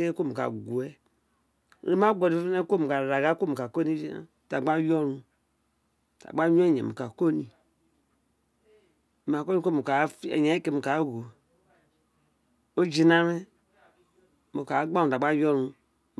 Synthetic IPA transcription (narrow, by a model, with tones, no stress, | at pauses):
e˦ko˦˨mu˨ka̰˨ɡu˨ɛ˦˨˦ | e˦m˦a˦ɡɔ˨di˨˦fne˦ko˦˨mu˨ka˨ɾa˨ɡa˦ko˦mu˨ka˨ko˦ni˦o˦d͡ʒi˦na̰˦˨ta˨ɡ͡ba˦jɔ˦ɾũ˧˨ | ta̰˨ɡ͡ba˦ɲõ˦ɲɛ̰˨mo̰˨ka˨ko˦ni˨ | ma˨ko˦ni˦ko˦˨mu˨ka˨˦fi˦ḛ˨ɲɛ˨˦ke˦mu˨ka˨˦ɡo˨ | o˦d͡ʒi˨na˦me˦ | mo˨ka˨˦ɡ͡ba˦˨u˨ta˨ɡ͡ba˦jɔ˦ɾũ˧